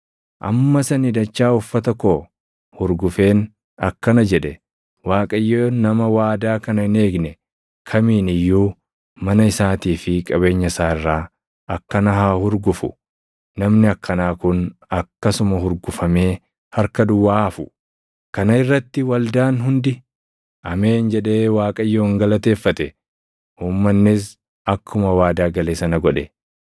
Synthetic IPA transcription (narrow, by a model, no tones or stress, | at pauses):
ʔɐ̰mːɐsɐnɪd̪ɐt͡ʃːaːʊfːɐt̪ɐkoː | hʊɾɡʊfe̞ːn | ɐkːɐnɐd͡ʒɛᶑɛ | waːkʼɐjːoːnɐmɐwaːd̪aːkɐnɐne̞ːɡnɛ | kʰɐmiːnɪjːuː | mɐnɐɪsaːt̪iːfɪkʼɐβe̞ːɲːɐsaːɪrːaː | ɐkːɐnɐɦaːhʊɾɡʊfʊ̰ | nɐmnɪɐkːɐnaːkʊnɐkːɐsʊmɐhʊɾɡʊfɐme̞ː | hɐɾkɐd̪ʊwːaːfʊ | kɐnɐɪrːɐt̪ːɪwɐld̪aːnɦʊnd̪ɪ | ʔɐme̞ːnd͡ʒɛᶑe̞ːwaːkʼɐjːoːŋɡɐlɐt̪e̞ːfːɐt̪ɛ | uːmːɐnːɪs | ɐkʰːʊmɐwaːd̪aːɡɐleːsɐnɐɡɔᶑɛ